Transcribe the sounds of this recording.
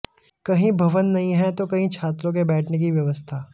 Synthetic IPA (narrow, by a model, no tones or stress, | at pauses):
kɐɦĩbʱɐʋənːɐɦĩɦɛt̪okɐɦĩt͡ʃʰaːt̪ɾõk̬ebɛːʈʰnek̬iʋjɐʋəst̪ʰaː